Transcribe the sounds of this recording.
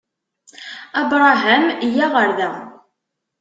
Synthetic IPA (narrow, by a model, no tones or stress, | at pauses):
ɑbɾˤɑɦæmijæʁəɾðæ